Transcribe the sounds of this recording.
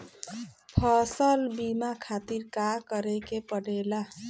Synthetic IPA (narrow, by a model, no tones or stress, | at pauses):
pʰʌsʌlbimakʰat̪iɾkakʌɾekepʌɽela